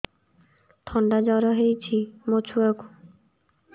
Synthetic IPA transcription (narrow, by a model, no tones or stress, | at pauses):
t̪ʰɔɳɖad͡ʒɔɾɔɦejt͡ʃʰimot͡ʃʰuaku